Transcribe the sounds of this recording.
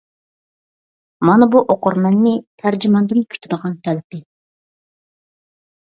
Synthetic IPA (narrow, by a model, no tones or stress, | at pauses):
mɑnɑbuʔoqʰʊɾmɛnːɪt̪ʰæɾd͡ʒimɑnd̪ɨnkʲʰy̥t̪ʰyd̪əʁɑnt̪ʰɛlɪpɪ